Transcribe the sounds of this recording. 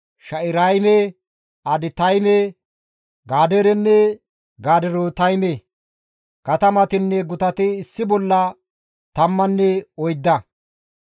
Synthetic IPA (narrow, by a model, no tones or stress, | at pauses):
ʃɐʔɪɾɐjmɛ | ɐd̪ɪt̪ɐjmɛ | ɡaːd̪ɛɾɛnːɛ | ɡaːd̪ɛɾot̪ɐjmɛ | kɐt̪ɐmɐt̪ɪnːɛɡʊt̪ɐt̪ɪːsːɪbɔlːɐ | t̪ɐmːɐnːɛɔjd̪ːɐ